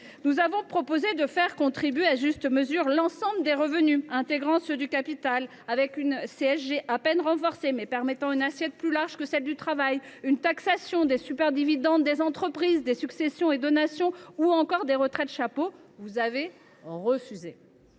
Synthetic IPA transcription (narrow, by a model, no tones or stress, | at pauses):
nuzavɔ̃pχɔpozed̪əfɛʁkɔ̃t̪χibɥeaʒyst̪əməzyʁlɑ̃sɑ̃bləd̪eʁəvənyɛ̃t̪eɡʁɑ̃sød̪ykapit̪al | avɛkynseɛʃʒeʔapɛnʁɑ̃fɔʁsemɛpɛʁmɛt̪ɑ̃ynasjɛt̪̚plylaʁʒkəsɛld̪yt̪χavajynt̪aksasjɔ̃d̪esypɛʁd̪ivid̪ɑ̃d̪ːezɑ̃t̪χəpχizd̪esyksesjɔ̃ed̪ɔnasjɔ̃uɑ̃kɔʁd̪eʁət̪χɛt̪ʃapovuzave | ʁəfyze